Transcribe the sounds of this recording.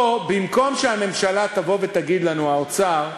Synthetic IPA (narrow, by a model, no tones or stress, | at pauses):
bimko̞mʃeame̞mʃalat̪avo̞vet̪aɡid̪lanuaot͡saʁ